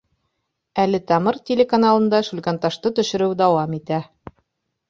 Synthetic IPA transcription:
ælɘt̪ɑmɤɾtʲelʲekanalˠɤ̆nd̪ɑʃulkant̪ɑʃt̪ɤt̪ɵ̆ʃɘ̆ɾɘwd̪ɑwɑmit̪æ

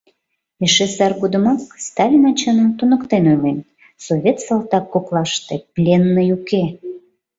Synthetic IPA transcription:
eʃesɑrɣud̪əmɑkst̪ɑlʲinɑt͡ɕɤnəmt̪unə̆kt̪enojlen | soβʲet̪sɑlt̪ɑkːoklɑʃt̪eplʲenːəjuke

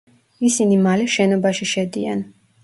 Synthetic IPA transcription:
isinimalɛʃɛnɔbaʃiʃɛd̪ḭa̰n

